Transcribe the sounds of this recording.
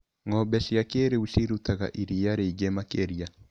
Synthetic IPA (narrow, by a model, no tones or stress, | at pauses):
ŋɔbɛɬiakeɾeuɬiɾut̪aɣa̰ʔiɾijaɾeid͡ʒɛmakeɾija